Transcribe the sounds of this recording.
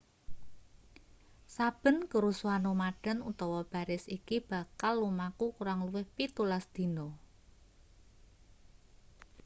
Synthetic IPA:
sab̥ə̤nkəɾusuanomaɖ̥a̤nut̪ɔwɔb̥a̤ɾɪsikib̥a̤kalːumakukuɾaŋluwɪhpit̪ulasd̪̥i̤no

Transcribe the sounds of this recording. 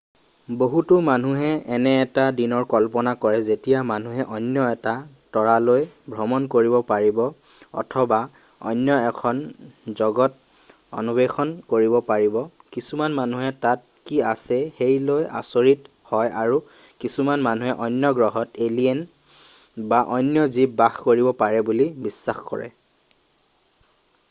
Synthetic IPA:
boɦutumanuɦɛɛnɛːtadinɔɹkɔlpɔnakɔɹɛzetijamanuɦɛʔɔnːjɔɛta | tɔɹalojbʱɹɔmɔnkoɹibɔpaɹibɔ | ɔ̰tʰɔba | ɔ̰jnjɔɛkʰɔnzɔɡɔt̚ | ɔ̰nubexɔnkoɹibɔpaɹibɔ | kisumanmanuɦɛtat̚kiasɛxejloja̰soɹit | hɔjaɹu | kisumanmanuɦɛʔɔjnjɔɡɹɔɦɔteliɛn | baʔɔjnjɔzibbaxkoɹibɔpaɹɛbulibisːaxkɔ̰ɹɛ̰

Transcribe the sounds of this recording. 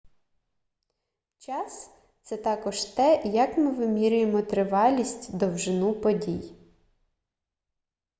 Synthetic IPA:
t͡ʃɑs | t̪sɛt̪ɑkɔʒt̪ɛjɐkmɪʋɪmʲiɾʲʊjemɔt̪ɾɪʋɑlʲisʲtʲd̪ɔwʒɪnupɔdʲij

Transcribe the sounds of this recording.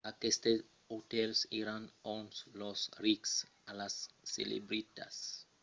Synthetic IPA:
akest̪e | ot̪elseɾanonslosriksalasːḛlḛbɾit̪a̰s

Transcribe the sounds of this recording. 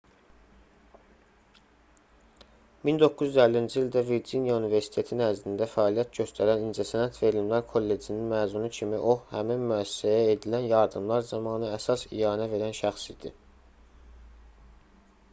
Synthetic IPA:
mind̪o̞kʰːuzyzælːiind͡ʒiild̪æviɾd͡ʒinjɑunive̞ɾsi̥t̪ʰe̞t̪ʰinæɾzlind̪æfæɑːlijæt̪̚ɟø̞st̪ʰæɾænind͡ʒæsænæt̪ʰve̞ɾilmlæɾkʰo̞lːe̞d͡ʒininmæːzmunucʰimiʔo̞hæminmyæsːæjæed̪ilænjɑɾd̪ɯmlˠɑɾzɑmɑːnɯæsɑsḭjɑːnæve̞ɾænʃæxsid̪̥i

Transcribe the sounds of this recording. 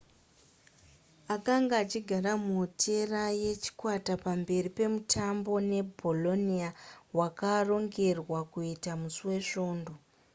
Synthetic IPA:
akaŋɡaːt͡ʃiɡʱaɾamutʰe̞raje̞t͡ʃi̥kwatapambe̞ripe̞mutʰambo̞ne̞bʱo̞lo̞nijawakaro̞ŋɡe̞rwakuitamusuwe̞ʂo̞ːndo̞

